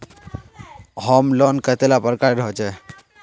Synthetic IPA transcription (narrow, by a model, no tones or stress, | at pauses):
ɦəmlɔnkət̪elapəɾkaɾɾɦɔt͡ʃʰɛ